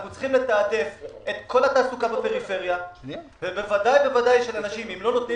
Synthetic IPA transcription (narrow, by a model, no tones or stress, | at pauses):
χut͡sχimle̞t̪aːd̪e̞fe̞t̪kʰo̞lat̪aːsukabape̞ʁife̞ʁjavebevad̪ajbe̞vadajʃelanaʃimimlo̞no̞t̪i